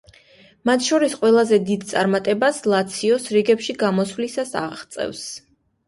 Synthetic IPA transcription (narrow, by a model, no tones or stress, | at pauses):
mat̪ʰʃɔɾisqʼwɛlˠazɛd̪id̪̚t̪sʼaɾmat̪ʼɛbaslˠat̪sʰiɔsɾiɡɛpʃiɡamɔswlisasa̰ʁt̪sʼɛ̰fs